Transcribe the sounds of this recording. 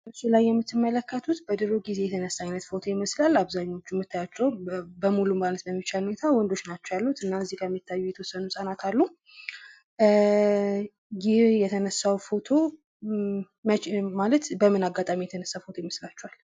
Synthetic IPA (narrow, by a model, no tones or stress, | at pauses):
əsːulajːɛmːɨt̪ːɨmːələkʰːət̪ʰut̪bəd̪ɨɾoɡize̞jɛt̪ʰənəsːaɲnːət̪fo̞t̪ʰo̞jɪməslalːaβzaɲːaot͡ʃːumːɨt̪ʰːajat͡ʃːɛwbəmulummalət̪bəmːit͡ʃalunet̪ʰawɔnd̪o̞t͡ʃnat͡ʃːɛwalːut̪ɨnːaɨzihkʰəmːit̪ʰːajːujɛt̪ʰəwɔsːənusʼanat̪ʰalːu | jɪhjɛt̪ʰənəsːawfo̞t̪ʰo̞ | məmalət̪bəmɨnaɡat̪ʼamijɛt̪ʰənəsːafo̞t̪ʰo̞jɪməslat͡ʃːɛhal